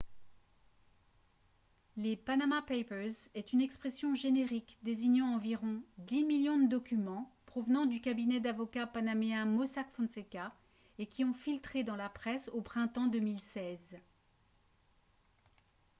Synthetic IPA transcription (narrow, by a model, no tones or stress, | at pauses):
lepanamapejpɛzɛt̪ynɛkspχɛsjɔ̃ʒeneʁikd̪eziɲɑ̃ːviʁɔ̃d̪imiljɔ̃d̪əd̪ɔkʲymɑ̃pχɔvnɑ̃d̪ykabinɛd̪avɔkapanameɛ̃mɔsakfɔ̃nseka | ekʲiɔ̃filt̪χed̪ɑ̃lapχɛsopχɛ̃t̪ɑ̃d̪ømilsɛz